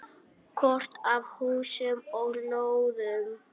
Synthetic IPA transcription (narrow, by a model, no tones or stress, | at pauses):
kʰɔr̥t̪avhuːsʏmɔɣnowðʏm